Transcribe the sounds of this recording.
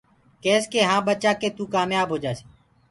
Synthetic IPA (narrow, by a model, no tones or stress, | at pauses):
kɛːskeːɦãːbət͡ʃaːkeːt̪ũːkaːmjaːbʱɦoːd͡ʒaːse̥ː